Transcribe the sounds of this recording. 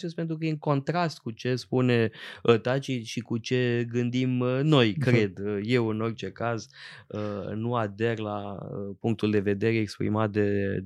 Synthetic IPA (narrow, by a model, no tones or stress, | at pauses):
t͡ʃespet̪ɾuk̬əjeɨŋko̞nt̪ɾast̪̚kut͡ʃe̞spuneət̪at͡ʃiʃikut͡ʃe̞ɡɨnd̪imno̞jkɾe̞d̪əje̞wɨno̞rt͡ʃe̞kazənuad̪e̞rlaəpuŋkt̪uld̪e̞ve̞d̪e̞ɾe̞ːkspɾḭmat̪̚d̪e